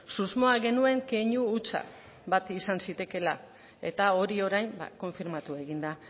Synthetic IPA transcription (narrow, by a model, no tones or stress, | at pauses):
suzmo̞aɣe̞nue̞ŋke̞ɲuːt͡sa̰ | βat̪isansit̪e̞ke̞la | e̞̰t̪ao̞ɾio̞ɾajnba̰ko̞ɱfiɾmat̪ue̞ɣind̪a